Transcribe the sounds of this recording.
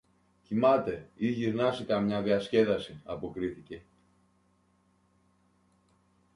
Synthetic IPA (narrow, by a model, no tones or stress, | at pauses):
cimɐt̪e̞iʝiɾnɐsikɐmɲɐðiɐsce̞ðɐsiɐpo̞kɾiθice̞